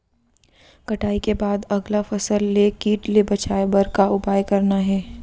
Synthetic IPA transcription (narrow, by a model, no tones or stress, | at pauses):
kɐʈaːikebaːd̪ɐɡlafɐsəlːekiːʈlebɐt͡ʃaːebɐɾkaʊpaːjkɐɾnaɦɛː